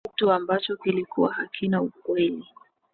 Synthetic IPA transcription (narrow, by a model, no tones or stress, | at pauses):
ituambat͡ʃɔkilikuwahakʰinaukwɛli